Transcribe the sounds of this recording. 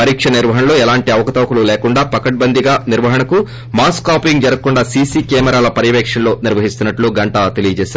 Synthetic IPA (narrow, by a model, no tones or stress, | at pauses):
pɐɾiːkʂɐniɾʋɐɦɐnɐloːɛlaːɳʈiɐʋɐkɐt̪ɐʋɐkululeːkuɳɖaːpɐkɐʈ̚bɐnd̪ʱiɡaːniɾʋɐɦɐɳɐku | maːskaːpiŋɡd͡ʒɐɾɐkːuɳɖaːsiːsiːkɛːmɛɾaːlɐpɐɾjɐʋɛːkʂɐnlo̞ːniɾʋɐɦist̪unːɐʈluːɡɐɳʈat̪e̞lijɐt͡ʃɛːs